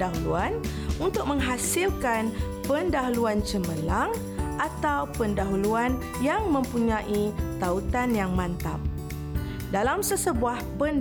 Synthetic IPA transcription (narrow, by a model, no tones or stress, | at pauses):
aɦuluan | unt̪ʊk̚mə̃ŋɦasilkan | pəndaɦuluant͡ʃəməlaŋ | ʔat̪awpəndaɦuluan | jaŋmə̃mpuɲãʔit̪aut̪anjaŋmãnt̪a̰m̚ | dalamsəsəbuahpən